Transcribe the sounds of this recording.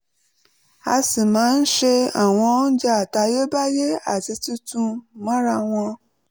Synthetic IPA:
a̰˧si˨mã˨˦n̩˦ʃe˦a˨w̃ɔ̃˧˦n̩˦d͡ʒa˦˨ta˧je˦ba˦je˦a̰˨ti˧tu˦tũ˧˨mã˦ɾa˧w̃ɔ̃˧

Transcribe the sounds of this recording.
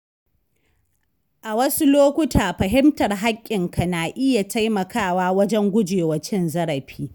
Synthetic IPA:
ʔa˨wɐ˦su˦loː˦kʷʊ˦taː˨ɸɐ˨ɦɪ˦mtɐ˨rɦa˦kʲʼːɪ˨ŋka˨naː˨ʔɪ˦ja˨tʰa˦jmɐ˨kʰaː˦˨waː˦wɐ˦d͡ʒɛ˦ŋɡʷʊ˦d͡ʒeː˨wɐ˨t͡ʃɪ˦nzɐ˦ɽɐ˨ɸiː˦

